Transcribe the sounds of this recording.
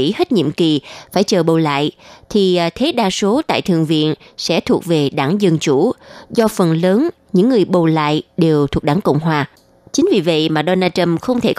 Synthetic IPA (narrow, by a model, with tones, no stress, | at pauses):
ḭ˧˥he˦˥t̚ɲḭ˧˨mki˨˩faː˧˩jt͡ɕəː˨˩ɓo˨˩la̰ː˧˨jt̪ʰi˨˩t̪ʰe˨˦ɗaː˧so˨˦t̪a̰ː˧˨jt̪ʰɨ̰˧˨ŋvḭ˧˨ənsɛ̰˧˥t̪ʰu˨˩ək̚ve˨˩ɗaː˧˩ŋzə˧˩nt͡ɕu˧˩zɔ˧fə˨˩nləː˨˦n | ɲɨ̰˧˥ŋːɨ˨˩əjɓo˨˩la̰ː˧˨jɗe˨˩wt̪ʰu˨˩ək̚ɗaː˧˩ŋkə̰˧˨wŋ͡mɦwaː˨˩ | t͡ɕï˨˦ŋ̟vi˨˩və̰˧˨jmaː˨˩ɗo˧naː˧t͡ɕə˧mxə˧wŋ͡mt̪ʰe˧˩k